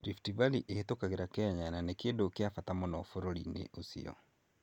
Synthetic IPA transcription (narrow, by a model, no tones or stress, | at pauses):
ɾiftivaliʔehet̪okaɣeɾakɛɛɲananekendokeafatamonɔfoɾoɾḭnḛʔosḭɔ̰